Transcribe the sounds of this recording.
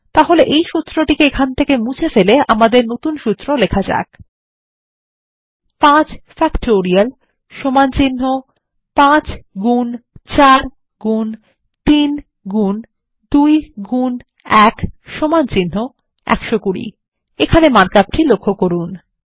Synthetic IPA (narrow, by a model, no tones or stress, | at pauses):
t̪aɦoleʔejʃut̪ːɾoʈikeekʰant̪ʰekemut͡ɕʰefeleʔamad̪eɾnot̪unʃut̪ːɾolekʰad͡ʑa̰k | pãt͡ɕfɛkʈoɾial | ʃomant͡ɕinːo | pãt͡ɕɡunt͡ɕaɾ | ɡun | t̪in | ɡun | d̪ujɡun | ɛkʃomant͡ɕinːo | ɛ̰kʃokuɽḭ | ekʰanemaɾkap̚ʈʰilokʰːokoɾun